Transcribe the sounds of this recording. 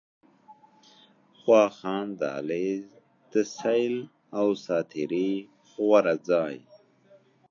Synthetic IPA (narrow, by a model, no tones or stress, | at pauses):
xwɑːxɑːnd̪a̰ːleː | d̪̥əsajl | awsaːt̪ʰiɾi | xwaɾad͡zaːj